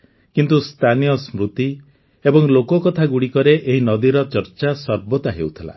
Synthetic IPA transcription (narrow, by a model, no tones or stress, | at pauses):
kint̪ust̪ʰanijɔsmɾut̪i | ebɔŋlokɔkɔt̪ʰaɡuɽikɔɾeʔeɦinɔd̪iɾɔt͡ʃɔɾt͡ʃasɔɾbɔt̪aɦḛwt̪ʰila̰